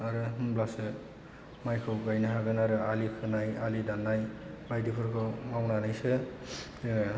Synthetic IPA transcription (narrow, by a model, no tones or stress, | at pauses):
aɾɯɦɯmblasɯ | majkʰɯɡajnaɦaɡɯnaɾɯalikʰɯnajalidanːajbajdipʰɯɾkʰɯmawnanɯjsɯ